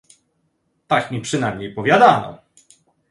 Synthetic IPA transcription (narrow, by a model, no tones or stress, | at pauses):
t̪akmʲipʂɘnajmɲejpɔvʲjad̪anɔ̰